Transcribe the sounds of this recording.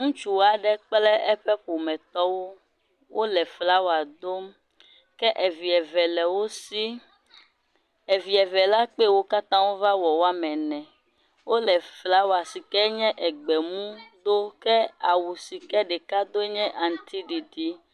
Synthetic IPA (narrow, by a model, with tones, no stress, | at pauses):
ŋũ˦t͡ʃu˦wa˨ɖɛ˦k͡plɛ˦ʔɛ˦ɸɛ˦ɸo˨mɛ̃˨t̪ɔ˦wo˦ | wʔo˦lɛ˨fla˦wo˨˦a˨d̪o˦m | kɛ˦ʔɛ˨vi˨ɛ˨vɛ˨lɛ˨wo˦si˦ | e˨vi˨ɛ˨vɛ˨la˦k͡pɛ˦˨wo˦ka˦t̪ã˦wo˦va˦wɔ˨wo˦a˦mɛ̃˨nɛ̃˨ | wo˦lɛ˨fla˦wa˨si˨kɛ˦ɲɛ̃˦ʔɛ˨ɡ͡bɛ˨mũ˦d̪o˦kɛ˦a˨wu˨si˨kɛ˦ɖɛ˨ka˦d̪o˦ɲɛ̃˦ʔa˨ŋ̩˨t̪i˦ɖi˨ɖi˦